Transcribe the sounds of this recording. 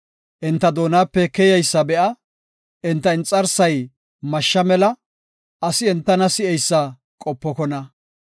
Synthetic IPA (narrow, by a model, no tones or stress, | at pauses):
ʔɪnt̪ːɐd̪o̞ːnaːpːɛkɛjɛjsːɐbɛʔɐ | ʔɪnt̪ːɐɪnt͡sʼːɐɾsɐj | mɐʃːɐmɛlɐ | ɐsɪɛnt̪ːɐnɐsɪʔɛjsːɐ | kʼɔpːɔkɔnɐ